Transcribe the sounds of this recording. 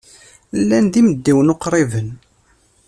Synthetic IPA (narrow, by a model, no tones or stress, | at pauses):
lːænðiməd̪ːiwənoqɾˤevən